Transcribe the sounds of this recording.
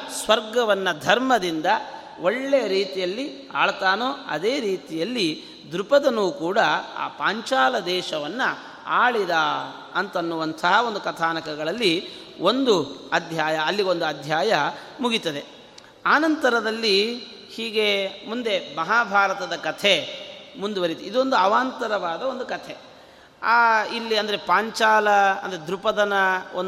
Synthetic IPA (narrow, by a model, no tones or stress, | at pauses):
sʋɐɾɡɐʋɐnːɐd̪ʱɐɾmɐd̪ind̪ɐ | oɭːejɐɾiːt̪ijɐlːi | a̰ːɭɐt̪aːnoːɐ̰d̪eːɾiːt̪ijɐlːi | d̪ɾupɐd̪ɐnuːkuːɽɐa̰ːpaːɲt͡ʃaːlɐd̪ɛːʃɐʋɐnːɐ | a̰ːɭid̪a | ɐnt̪ɐnːuʋɐnt̪ʰɐɦao̞nd̪ukɐt̪ʰaːnɐkɐɡɐɭɐlːi | o̞nd̪uɐd̪ʱjaːjɐːlːio̞nd̪uɐd̪ʱjaːjɐ | muɡit̪ːɐd̪e̞ | aːnɐnt̪ɐɾɐd̪ɐlːi | hiːɡe̞mund̪e̞mɐɦaːbʱaːɾɐt̪ɐd̪ɐkɐt̪ʰe̞mund̪uʋɐɾit̪iid̪uond̪uɐʋaːnt̪ɐɾɐʋaːd̪ɐo̞nd̪ukɐt̪ʰe̞ | aːilːiɐnd̪ɐɾepaːɲt͡ʃaːlɐnd̪ɐɾed̪ɾupɐd̪ɐnɐon